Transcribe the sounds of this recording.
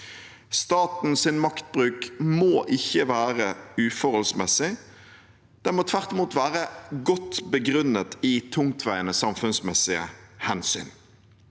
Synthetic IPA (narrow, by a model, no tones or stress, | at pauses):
st̪ɑːt̪n̩sɪnmɑkt̪̚bʁʉːkmoːʔɪçːəʋæːʁəʉːfɔʁɔlsmɛsɪ | d̪̥ɛnmɔːt̪ʰʋæʁt̪ɪmuːt̪ʋæːʁəɡɔt̪bəɡʁʉnət̪ɪt̪ʰʊŋt̪ʰʋæɪənəsɑmfʉnsmɛsɪə̰hɛnsy̰ːn